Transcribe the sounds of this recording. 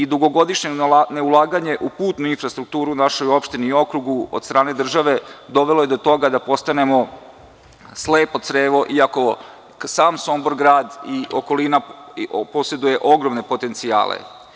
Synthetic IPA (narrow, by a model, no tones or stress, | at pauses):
id̪uɡo̞ɡo̞d̪iʃɲene̞ulˠaːɡaɲe̞ʔupuːt̪nuinfɾast̪ɾuk̚t̪uːɾunaʃo̞jo̞pʃt̪iniːo̞kɾuɡuod̪st̪ɾʔaːne̞d̪r̩ʒaʋe̞d̪o̞ʋelˠoje̞d̪o̞t̪o̞ɡad̪apo̞st̪ane̞mo̞ | sleːpod̪t̪sɾeːʋo̞ʔiako̞ | saːmsomboɾɡɾaːd̪iʔoko̞linapo̞se̞d̪uje̞ʔo̞ɡɾomne̞po̞t̪e̞nt̪sia̰ːlḛ